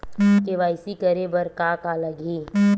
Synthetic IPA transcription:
keʋaːɪsikəɾebəɾkaːkaləɡiː

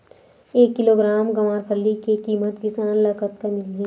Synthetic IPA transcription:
eːkːɪloːɡɾaːmɡɐmaːɾpʰəlːikekiːmət̪kɪsaːnlɐkət̪kɐmɪlɡi

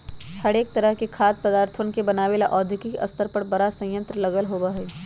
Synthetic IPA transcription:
hɐɽeːk̚t̪ɐɾəɦkekʰaːt̪̚pɐd̪aːɾt̪ʰʋənkebɐnaːʋeːlaʔɔːd̪ʱɪkɪkɐ̰st̪əɾpɐɾbɐɾasə̃jə̃nt̪ɾəlɐɡəlɦoːbaɦɛː

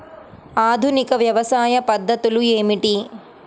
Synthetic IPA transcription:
aːd̪ʱunikɐʋjɐʋɐsaːjɐpɐd̪ʱːɐt̪ulueːmiʈi

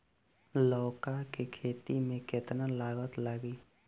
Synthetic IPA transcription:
lɔːkakekʰeːt̪imẽket̪nalaːɡət̪laɡi

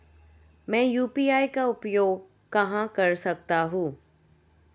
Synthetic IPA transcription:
mɛ̃ːjuːpiːaːikaʊpjoːɡ | kɐɦãkɐɾsɐkt̪aɦũː

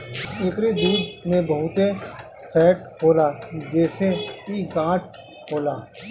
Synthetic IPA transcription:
ekɾed̪uːd̪mẽbəɦʊt̪e | pʰɛːʈɦoːlaːd͡ʒɛːseiɡãːʈʰ | hoːlaː

